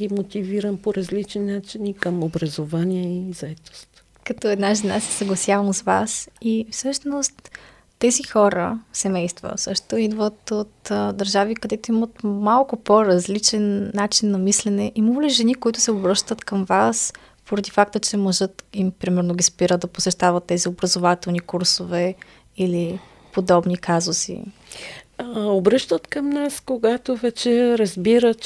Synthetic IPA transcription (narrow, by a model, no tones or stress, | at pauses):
ɡimot̪iviɾəmpoɾɐzlit͡ʃninat͡ʃinikəmobɾɐzovaniɛizɐɛt̪o̥st̪ | kɐt̪ɔɛd̪naʒɛnasɛsɐɡlˠɐsʲjavəmzvasifsɤʃnost̪ː | ɛzixɔɾəsɛmɛjst̪və̰fsɤʃt̪oid̪vət̪ot̪d̪ɐɾʒavikɐd̪ɛt̪oimət̪malˠkʊpoɾɐzlit͡ʃɛnːat͡ʃinːɐmislɛnɛʔimoliʒɛnikoit̪ʊ̥sɛobɾɤʃt̪ət̪kəmvas | poɾɐd̪ifak̚t̪ət͡ʃɛmoʒət̪impɾimɛɾnoɡʲispiɾəd̪d̪ɐposɛʃt̪avət̪ːɛziobɾɐzovat̪ɛlˠnikuɾsovɛ | ili | pod̪ɔbnikazosḭ | obɾɤʃt̪ət̪kəmnaskoɡat̪ovɛt͡ʃɛɾɐzbiɾət̪